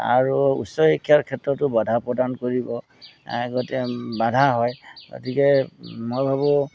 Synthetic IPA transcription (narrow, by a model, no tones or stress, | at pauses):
a̰ɹuṵsɔekʰːiaɹkʰɛtɹɔtʊbadʱapɹɔdankoɹibɔ | ɡotɛbadʱaɦɔjɡo̰tikɛmojbʱabɔ